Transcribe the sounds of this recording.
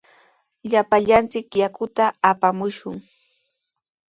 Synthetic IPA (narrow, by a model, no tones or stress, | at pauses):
ʎapaʎant͡sɪkjakʊt̪aːpamʊʃʊŋ